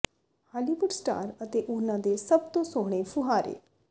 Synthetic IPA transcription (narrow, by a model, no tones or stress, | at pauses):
haːliʋʊɖsʈa̰ːɾət̪eːʔʊnãːd̪eːsəb̚t̪õːsoːɽ̃eːpʰʊɦaːɾḛː